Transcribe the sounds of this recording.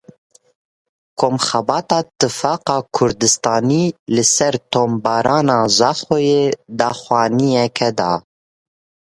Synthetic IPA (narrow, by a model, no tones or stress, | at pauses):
kʰoːmxɛbɑːt̪ɑːt̪ɨfɑːqɑːkʰʊɾd̪ɨst̪ɑːniːlɨsɛɾt̪ʰombɑːɾɑːnɑːzɑːxojeːd̪ɑːxwɑːnijɛkʰɛd̪ɑː